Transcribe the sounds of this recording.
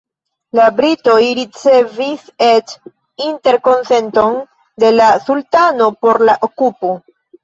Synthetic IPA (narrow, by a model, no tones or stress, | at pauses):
labɾito̞jɾit͡se̞viset | inte̞ɾko̞nse̞nto̞n | de̞lasultano̞po̞ɾlaʔokupo